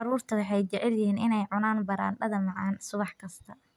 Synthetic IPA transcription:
ɑɾuːrt̪ʰɐwʊħɑjt͡ʃɛʕɛljɪɦiːnɪnɛjʕʊnaːnbɐɾa̰ːnɖɐðɐmɑʕɑːnsʊβɑħkʰɐst̪ʰɐ

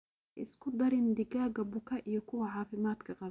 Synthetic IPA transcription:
ʔɪskʰʊd̪ɐɾɪnd̪ɪɡaːɣɐbʊkʰɐʔijɔkʰʊwɐʕɑːfɪmaːd̪kʰɐqɑ

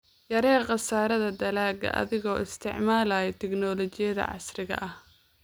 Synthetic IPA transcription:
jɐɾɛːqɑsaːɾɐðɐd̪ɐlaːɡɐ̰ʔɐ̰ðɪɣɔːɪst̪ʰɪ̰ʕmaːlaːjɛt̪ʰɛɡnɔːlɔt͡ʃɪjɐðɐ̰ʕɑ̰srɪɣɐ̰ʔɐh

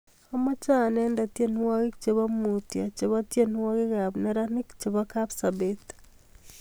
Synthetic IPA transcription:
amat͡ʃanendatenwaɣekt͡ʃeβamutjat͡ʃeβatjenwaɣeɣaβneɾanikt͡ʃeβakabsabet̪

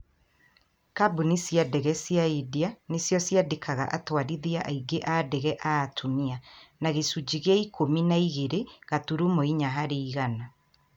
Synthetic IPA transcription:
kabunisijadɛɣɛsjaidianesjɔsjadekʰaɣa̰ʔatwaɾiðiaʔaiɡeʔadɛɣɛʔaːtʰumianaɣesud͡ʑiɣeaikominaiɣeɾeɣatuɾumoiɲaɦaɾeiɣana

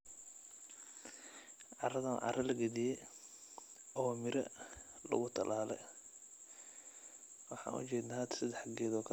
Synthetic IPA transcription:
ʕɑrɐðɐnʕɑ̰rɐlɐɡɐðɪjɛ | ɔːmɪɾɐ̰lɐ̰ɣʊt̪ʰɐlʔaːlɛ̰j | wɑħɑ̰ːnʔʊ̰t͡ʃɛːd̪nat̪ʰsɐd̪ɛħɐɡɛːðɔːkʰɐ

